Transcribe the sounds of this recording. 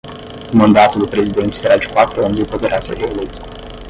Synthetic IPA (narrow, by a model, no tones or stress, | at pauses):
mand̪at̪ulpɾezid̪ent̪seɾad͡ʒu̥kat̪ɾuanzepək̪eɾasə̰ʔelut̪